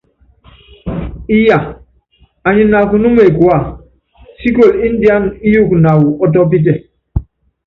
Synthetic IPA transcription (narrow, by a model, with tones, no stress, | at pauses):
i˦ja˨ | a˨ɲi˨na˨ku˨nu˦me˨kwa˨ | si˦ko˨li˦n̩˦di˦a˦ni˦ju˦˨kna˨wu˨ɔ˦t̬ɔ˦p̬i˦t̬e˨